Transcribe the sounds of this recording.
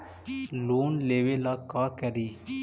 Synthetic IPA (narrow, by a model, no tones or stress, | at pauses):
luːnleːʋeːlaːkaːkɛɾiː